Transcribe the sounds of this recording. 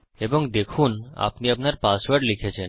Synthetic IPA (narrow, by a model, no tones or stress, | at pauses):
eboŋd̪ekʰuna̰pniapnaɾpaswaɾɖlikʰet͡ɕʰen